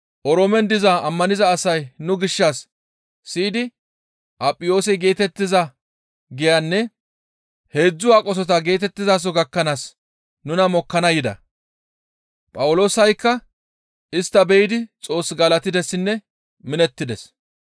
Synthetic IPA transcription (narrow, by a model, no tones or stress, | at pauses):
ʔɔɾoːmɛnd̪ɪzaːmːɐnɪzɐːsɐjnʊɡɪʃːaːsː | iːd̪ɪ | ʔɐpʼːɪjo̞ːsɛɡe̞ːt̪ɛt̪ːɪzɐ | ɡɪjanːɛ | he̞ːd͡zːʊwaːkʼɔs̬ɔt̪ɐɡe̞ːt̪ɛt̪ːɪzaːs̬ɔɡɐkːɐnaːs | nʊnɐmɔkːɐnɐjɪd̪ɐ̰ | pʼɐwʊlo̞ːsɐjkːɐ | ɪst̪ːɐbɛjɪd̪ɪt͡sʼo̞ːsɡɐlɐt̪ɪd̪ɛsːɪnːɛ | mɪnɛt̪ːɪd̪ɛs